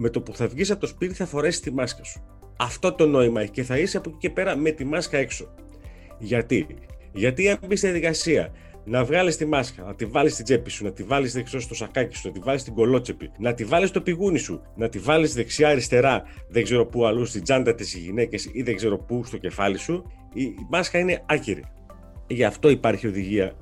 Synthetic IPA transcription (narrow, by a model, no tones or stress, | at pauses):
me̞t̪o̞puθɐvʝisɐpot̪o̞spit̪i̥θɐfo̞ɾe̞si̥st̪imɐskɐsu̥ | ɐft̪o̞t̪o̞no̞imɐeçce̞θɐisiɐpo̞cice̞pe̞ɾɐme̞t̪imɐskɐe̞kso̞ | ʝɐt̪i | ʝɐt̪iɐmbist̪iðijɐðikɐsiɐ̰ | nɐvɣɐlist̪imɐskɐnɐt̪ivɐlist̪id͡ze̞pisunɐt̪ivɐlisðeksiost̪o̞sɐkɐci̥sunɐt̪ivɐlist̪iɡo̞lo̞t͡sepḭnɐt̪ivɐlist̪o̞piɣunisu | nɐt̪ivɐlisðe̞ksiɐɾist̪e̞ɾɐðeɡze̞ɾo̞puɐlust̪id͡zɐnd̪ɐt̪esiʝḭne̞ce̞siðeɡze̞ɾo̞pust̪o̞ce̞fɐlisu | imɐskɐine̞ɐciɾḭ | ʝɐft̪o̞ipɐɾçio̞ðiʝiɐ